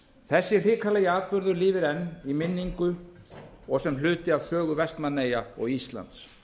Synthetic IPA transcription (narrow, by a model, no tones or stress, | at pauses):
θɛsːɪr̥ɪːkʰalɛjɪaːð̚pʏɾðʏɾlɪːvɪɾɛnːimɪnːiŋkʏ | ɔɣsɛml̥ʏːt̪ɪav̥sœːɣʏvɛst̪manːeːjaɔɣist̪la̰nt̪s